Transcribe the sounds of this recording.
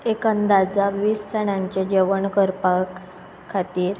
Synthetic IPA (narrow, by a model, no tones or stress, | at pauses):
ekənd̪ad͡zaʋiːssəɽ̃aɲt͡ɕed͡ʑeʋəɳkəɾpakʰː | at̪iːɾ